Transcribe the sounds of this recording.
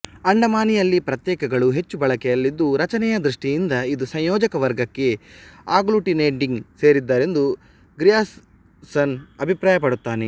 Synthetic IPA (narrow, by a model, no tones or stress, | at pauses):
ɐɳɖɐmaːnijɐlːipɾɐt̪jɛːkɐɡɐɭuɦe̞t͡ʃːubɐɭɐkɛjɐlːid̪ːuɾɐt͡ʃɐnɛjɐd̪ɾuʂʈijind̪ɐid̪usɐ̃j̃jɔːd͡ʒɐkɐʋɐɾɡɐkːe̞aːɡluʈineːɳɖiŋɡse̞ːɾid̪ːaːɾe̞nd̪u | ɡɾijaːs | sɐnɐbʱipɾaːjɐpɐɽut̪ːaːne